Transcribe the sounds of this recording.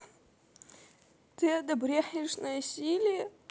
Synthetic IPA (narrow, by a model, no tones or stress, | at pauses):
t̪ɨɐd̪ɐbɾʲexʲɪʂnɐjsʲilʲɪj